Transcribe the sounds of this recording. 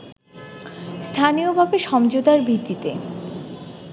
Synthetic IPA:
st̪ʰaniobʱabeʃɔmd͡ʑod̪aɾbʱit̪ːit̪ḛ

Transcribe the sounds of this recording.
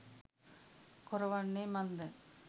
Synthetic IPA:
kʊɾɐʋɐnːemɐnd̪ɯ

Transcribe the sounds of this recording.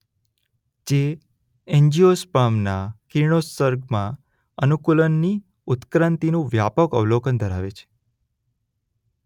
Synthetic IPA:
d͡ʒe | eɲd͡ʒiospamnakiɳosəɾɡmã | ənukulənːi | ʊt̪kɾãnt̪inũʋjapəkəʋlokənd̪ʱəɾaʋet͡ʃʰe̥

